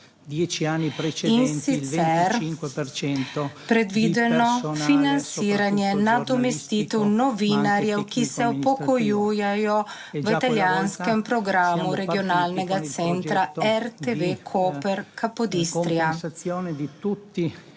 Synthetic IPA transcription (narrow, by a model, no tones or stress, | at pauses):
d̪jɛt͡ʃanːit͡ʃinsit̪sɛɾŋt͡ʃɛnt̪pɾɛd̪ʋiːd̪ɛnɔfinansiːɾanjɛnad̪ɔmɛst̪iːt̪ɛwnɔviːnaɾjɛwkisɛɔppɔkɔjuːjajɔ | ʋit̪aljanskɛmpɾɔɡɾaːmuɾɛɡiɔnaːlnɛɡat̪sɛnt̪ɾaɛɾt̪evekʰopɛɾkʰapɔd̪ist̪ɾijaoːnd̪t̪ut̪ːi